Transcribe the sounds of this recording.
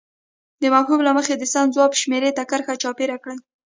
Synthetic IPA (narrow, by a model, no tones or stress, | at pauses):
d̪əmawɦublaməxed̪əsanzwɑpʃmeɾet̪akəɾxat͡ʃɑpeɾakɽəl